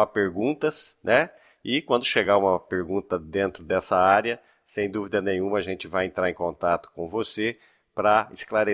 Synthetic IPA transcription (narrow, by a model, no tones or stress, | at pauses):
apeɾɡũnt̪ɐsnʔɛ | ɪkwɐ̃nd̪ʊʃeɡaũmɐpeɾɡũnt̪ɐd̪ẽnt̪ɾʊd̪ɛsɐaɾjɐ | sẽj̃d̪uvid̪ɐnẽj̃ũmɐːʒẽnt͡ʃɪvajẽnt̪ɾaɾẽkõnt̪at̪ʊ̥kõvose | pɾɐɪsklaɾe